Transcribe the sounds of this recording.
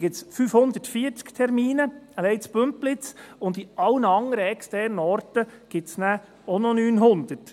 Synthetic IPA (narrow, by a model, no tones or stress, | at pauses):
ɡ̥ɪtsfyːfhʊnd̪ətfiːəɾt͡skt̪ʰɛɾmiːnəəlɛɪt͡spømplɪt͡sʊnd̪iʔɑlnəɑŋəɾəɛkstɛɾnəɔrtəɡ̥ɪtsnæ | ɔnɔnyːnɦʊnd̪ət